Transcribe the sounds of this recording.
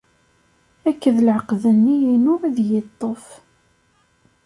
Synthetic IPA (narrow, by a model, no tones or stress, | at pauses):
ækːəðlʕəqðənːijinʊɾæðjət̪ˤːof